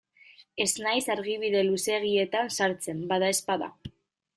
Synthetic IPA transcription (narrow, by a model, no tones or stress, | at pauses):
e̞znajsaɾɣiβiðe̞luse̞ɣ̞ie̞t̪ansaɾt͡se̞mbaðae̞spaða̰